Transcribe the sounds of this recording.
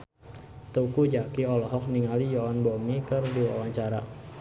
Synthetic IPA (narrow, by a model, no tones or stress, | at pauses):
t̪ukud͡ʒakiɔlɔɦɔk̚niŋalijɔɔnbɔmikərdiwawaɲt͡ʃaɾa̰